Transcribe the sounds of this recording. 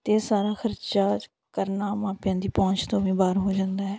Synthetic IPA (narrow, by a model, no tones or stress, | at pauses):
t̪eːsaːɾaːxʰəɾt͡ʃaː | kəɾnaːmaːpɪjãːd̪iːpɔ̃ːɲt͡ʃt̪õːʋĩːbaːɾɦoːd͡ʒãːnd̪aːɦɛː